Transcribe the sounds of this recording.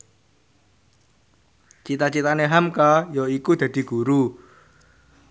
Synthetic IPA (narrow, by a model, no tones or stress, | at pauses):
t͡ʃit̪at͡ʃit̪aneɦamkajɔikud̪̥ä̤d̪̥i̤ɡ̥ṳɾu